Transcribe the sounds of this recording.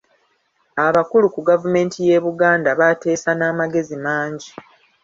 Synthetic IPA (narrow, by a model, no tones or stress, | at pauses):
aβakulukuɡavume̞ːntʰije̞ːβuɡaːndaβate̞ːsanaːmaɡe̞zimaːɲɟi